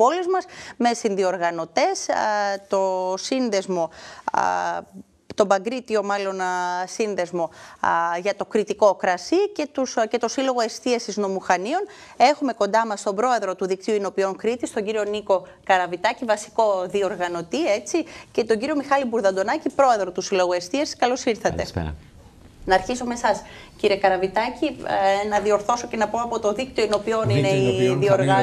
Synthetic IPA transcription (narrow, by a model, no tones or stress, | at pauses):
po̞lizmɐsme̞sinðio̞ɾɣɐno̞t̪e̞st̪o̞sinðe̞zmo̞ | t̪o̞bɐɡɾit̪io̞mɐlo̞nsinðe̞zmo̞ | ʝɐt̪o̞kɾit̪iko̞kɾɐsice̞t̪usce̞t̪o̞silo̞ɣo̞e̞st̪iɐsizno̞muxɐnio̞n | e̞xume̞ko̞nd̪ɐmɐst̪o̞bɾo̞e̞ðɾo̞t̪uðik̚t̪iuino̞pio̞ŋkɾit̪ist̪o̞ɲɟiɾio̞niko̞kɐɾɐvit̪ɐcivɐsi̥ko̞ðio̞ɾɣɐno̞t̪ie̞t͡sice̞t̪o̞ɲɟiɾio̞mixɐlibuɾðɐnd̪o̞nɐcipɾo̞e̞ðɾo̞t̪usilo̞ɣoe̞st̪iɐsi̥skɐlosiɾθɐt̪e̞̰ | nɐːɾçisomesɐs | ciɾiekɐɾɐvit̪ɐcinɐðio̞ɾθo̞so̞ce̞nɐpo̞ɐpo̞t̪oðik̚t̪ioino̞pio̞nineiðioɾɣɐ